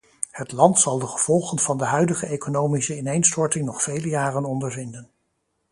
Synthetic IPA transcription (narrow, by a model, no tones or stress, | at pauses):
hətlɑntsɑlˠdəχəv̥ɔlˠχənvɑndəɦœɥdəχəejkonowmisəɪnejnstɔɹtɪŋnɔχfejləjaːrənɔndəɹvɪndən